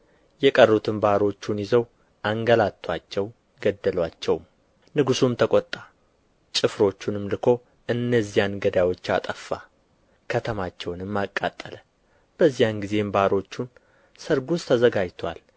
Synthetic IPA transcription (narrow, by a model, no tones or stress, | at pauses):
jɛkʼərːut̪ʰɨnbaɾo̞t͡ʃːunjizəw | ʔaŋɡəlat̪ʰːwat͡ʃːɛw | ɡəd̪ːəlwat͡ʃːɛwm | nɨɡusumt̪ʰəkʼɔt̪ʼːa | t͡ʃʼɨfɾo̞t͡ʃːunɨmlɨkʰo̞ | ɨnːəzːijanɡəd̪awo̞t͡ʃːa̰t̪ʼəfːa | kʰət̪ʰəmat͡ʃːɛwnɨmːakʼːa̰t̪ʼːələ | b̥əzːijanɡize̞mbaɾo̞t͡ʃːun | səɾɡust̪ʰːəzəɡad͡ʒt̪ʰwa̰l